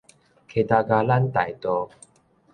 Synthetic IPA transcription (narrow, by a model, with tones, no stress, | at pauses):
kʰe˨˧˩t̪a˧ɡa˧la˦nt̪a˨˩jt̪ɔ˧